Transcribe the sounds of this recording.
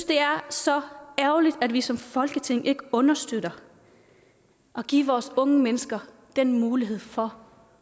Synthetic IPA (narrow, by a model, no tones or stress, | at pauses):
sd̥e̝æɐsɒ̽æɐʊlid̥æd̥ʋisɒ̽mfɒ̽lɡ̥ət͡sʰe̝ŋ̰ʔe̝ɡ̥əɔ̽nɐsd̥øɾ̥ɐ | ʔɒ̽ɡ̥ḭːʋɒːsɔ̽ŋəmenəsɡ̥ɐ | d̥enmuːliɦe̝ð̰ˠfɒ̽